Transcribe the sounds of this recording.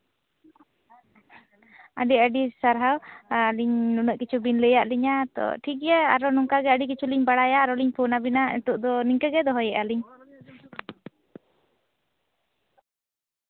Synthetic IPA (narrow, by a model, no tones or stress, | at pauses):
aɖiəɖisaɾɦawliɲnunəʔkit͡ʃʰubinləjaʔliɲat̪ɔ̰ʈʰikjaa̰ɾɔnuŋkaɡɛəɖikit͡ʃʰuliɲbaɽajaɾɔliɲpʰunabinaɛ̰t̪uʔd̪ɔniŋkəɡɛd̪ɔɦɔjɛʔaliɲ